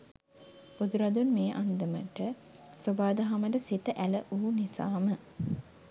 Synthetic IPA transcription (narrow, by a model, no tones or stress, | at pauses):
b̥ud̪uɾad̪unmeːʔand̪əmə̰ʈə | sobaːd̪əɦaməʈəsit̪əʔæləʔuːnisa̰ːmə